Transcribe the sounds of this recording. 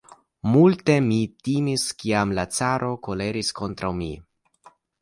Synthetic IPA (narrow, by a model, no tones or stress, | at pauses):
multe̞mitimiskiamlat͡saɾʔo̞ko̞le̞ɾisko̞ntɾawmḭ